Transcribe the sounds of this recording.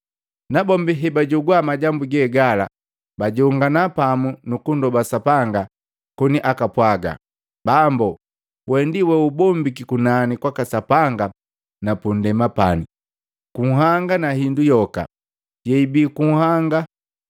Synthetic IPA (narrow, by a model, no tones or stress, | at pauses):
nabɔmbiɦɛbaɟɔɡwamaɟambuɡɛɡala̰ | baɟɔŋɡanapamunukundɔbasapaŋɡa | kɔniʔakapwaɡa̰ | bambɔ | wɛndiwɛubɔmbikikunanikwakasapaŋɡa | napundɛmapani | kuŋ̩ɦaŋɡanahindujɔka̰ | jɛibiːkuŋ̩haŋɡa